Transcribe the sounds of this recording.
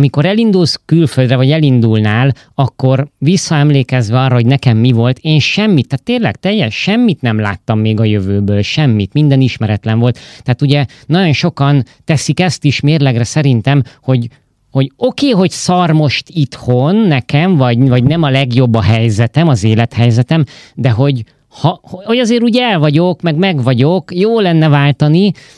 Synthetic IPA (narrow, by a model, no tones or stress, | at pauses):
miko̞ɾɛlind̪ulskylføld̪rɛvɒɟɛlind̪ulnaːl | ɒkːo̞rvisːɒɛmleːkɛzʋɛɒːrːɒɦo̞ɟnɛkɛmːivo̞lt̪eːnʃɛmːit̪ːaːt̪ːeːnlɛ̰kt̪ɛjːɛʃʃːɛmːit̪nɛmla̰ːt̪ːɒmːeːɡɒjø̞vøːbøːlʃɛmːit̪mind̪ɛniʃmɛɾɛt̪lɛɱvo̞lt̪ːɛːt̪uɟɛnɒɟo̞nʃo̞kɒn | t̪ɛsikɛst̪iʃmeːrlɛɡrɛsɛɾint̪ɛmho̞ɟ | ho̞ɟo̞keːɦo̞ɟsɒrmo̞ʃt̪it̪ho̞nːɛkɛmvɒɟvɒɟnɛmɒlɛɡjo̞bːɒɦɛjzɛt̪ɛmɒzeːlɛt̪hɛjzɛt̪ɛmd̪ɛɦo̞ɟ | hɒhoo̞ɟɒzeːɾuːɟɛlvɒɟo̞kmɛɡmɛɡʋɒɟo̞kjoːlɛnːɛvaːlt̪ɒni